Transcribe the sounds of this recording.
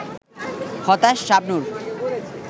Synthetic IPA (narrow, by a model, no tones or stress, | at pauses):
xɔt̪aʃːab̚nuɾ